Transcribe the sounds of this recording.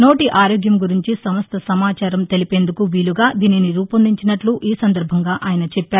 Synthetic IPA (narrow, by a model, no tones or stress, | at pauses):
no̞ːʈiʔaːɾoːɡjɐmɡuɾiɲt͡ʃisɐmɐst̪ɐsɐmaːt͡ʃaːɾɐmt̪e̞lipe̞ːnd̪ukuʋiːluɡaːd̪iːniniɾuːpɐnd̪iɲt͡ʃinɐʈluʔiːsɐnd̪ɐɾbʱɐŋɡaːʔaːjɐnɐt͡ʃɛpːaːɾu